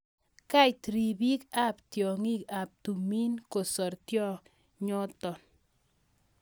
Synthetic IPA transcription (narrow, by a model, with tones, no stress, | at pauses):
ka˦jt̪ɾi˨bi˦ka˦˨ptjɔ˨ŋi˦ka˨p̚tu˨mi˦nko˨sɔ˨ɾtjɔ˦ | ɲɔ˦tɔ˨n